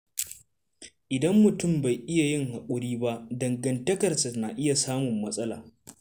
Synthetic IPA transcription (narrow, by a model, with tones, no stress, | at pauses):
ʔɪ˨dɐ˦mːʊ˨tʊ˦˨mba˨jʔɪ˦ja˨jɪ˦ŋha˨kʷʼʊ˨ɾiː˦ba˦ʔdɐ˨ŋɡɐ˨ntɐ˦kɐ˨rsa˨na˨ʔɪ˦ja˨saː˦mʊ˨mːɐ˦sʼɐ˦la̰ː˨